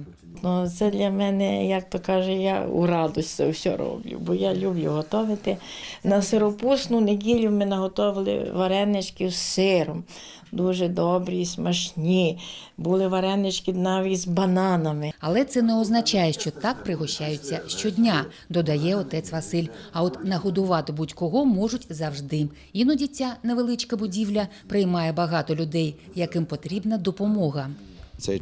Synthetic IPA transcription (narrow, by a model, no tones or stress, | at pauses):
nɔt̪sɛd̪lʲɐmɛnɛjak̚t̪ɔkɑʒɛja̰ṵɾɑd̪ɔsʲtʲt̪sɛ̰wsʲɔ̰ɾɔ̰blʲʊ̰bɔjalʲublʲʊ̰ɦɔt̪ɔʋɪt̪ɪnɐsɪɾɔpusnʊneɡʲilʲʊmɪnɐɦɔt̪ɔʋɪlˠɪ̰ʋɐɾɛnːɪt͡ʃkɪwssɪɾɔm | d̪uʒɛd̪ɔbɾismɐʃnʲibulˠɪʋɐɾɛnːɪt͡ʃkɪd̪nɑʋʲizbɐnɑnɐmɪɐlˠɛt̪sɛnɛɔznɐt͡ʃɑjɛʃt͡ʃɔt̪ɑk̚pɾɪɦɔʃt͡ʃajʊt͡sʲːɐʃt͡ʃɔdʲnʲa | d̪ɔd̪ɐjɛɔt̪ɛt̪t͡s̪ʲʋɐsɪlʲɐɔt̪nɐɦɔd̪ʊʋɑt̪ɪbudʲkɔɦɔmɔʒʊtʲzɐwʐd̪ɪ | inɔdʲitʲːaneʋelˠɪt͡ʃkɐbʊdʲiwlʲɐ | pɾɪjmɑjɛbɐɦɑt̪ɔlʲʊd̪ɛj | jɐkɪmpɔt̪ɾʲibnɐd̪ɔpɔmɔɦɐ | t̪sɛ